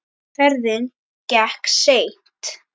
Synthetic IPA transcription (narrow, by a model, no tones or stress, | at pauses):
fɛɾðɪn | cɛhkseːjn̥t̪